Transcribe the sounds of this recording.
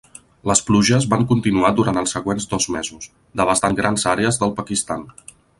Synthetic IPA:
ləspluʒəzβaŋkunt̪inuad̪uɾant̪əlˠsːəɣwenzd̪ɔzmezus | d̪əβast̪aŋɡɾanzaɾeəzðəlˠpəkist̪an

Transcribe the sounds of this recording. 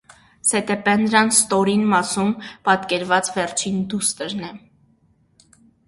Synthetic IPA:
sɛt̪ɛpɛnːəɾɑnst̪ɔɾinmɑsumpɑt̪kɛɾvɑt͡svɛɾt͡ʃʰind̪ust̪əɾnɛ

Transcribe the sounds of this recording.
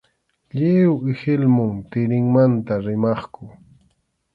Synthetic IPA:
ʎewɪhɪlmʊŋt̪ɪɾɪŋmant̪aɾɪmɑχkʊ

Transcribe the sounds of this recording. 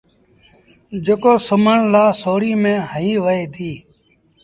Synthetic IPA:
d͡ʒəkoːsʊməɳlaːsoːɾiːmẽːɦəɦiːʋəeːd̪iː

